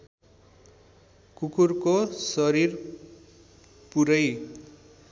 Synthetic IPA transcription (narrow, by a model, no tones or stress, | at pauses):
kukurkosʌɾir | puɾʌj